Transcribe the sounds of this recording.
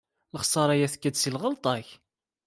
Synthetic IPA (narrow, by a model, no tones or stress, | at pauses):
ləχsˤɑɾˤæjæθkːəd̪silʁəlt̪ˤɑç